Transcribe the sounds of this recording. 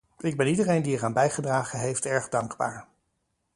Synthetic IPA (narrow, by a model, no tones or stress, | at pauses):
ɪɡ̚bɛnidərejndiɛɹaːnbɛjχədraːχənɦejftɛɹχdɑŋɡba̰ːɹ